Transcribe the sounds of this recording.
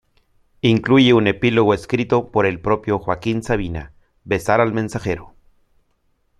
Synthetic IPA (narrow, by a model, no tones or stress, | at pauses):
iŋklujiunepiloɣoeskɾit̪opoɾelpɾopjoxwakinsaβina̰ | besaɾalmensaxeɾo